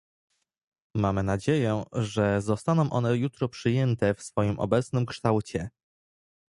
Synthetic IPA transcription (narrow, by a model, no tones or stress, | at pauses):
mamɘnad͡ʑejɛʐɛzɔst̪anɔ̃w̃ʔɔ̰nɛjut̪ɾɔpʂɘjɛnt̪ɛfsfɔjimʔɔ̰bɛt̪snɘmkʂt̪awt͡ɕɛ